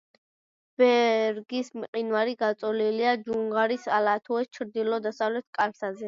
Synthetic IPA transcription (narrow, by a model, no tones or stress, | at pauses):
b̥ɛɾɡismqʼinvaɾiɡat̪sʼɔliliad͡ʒuŋɡaɾisalat̪ʰuɛst͡ʃʰɾd̪ilɔd̪asavlɛt̪ʰkʼalsazɛ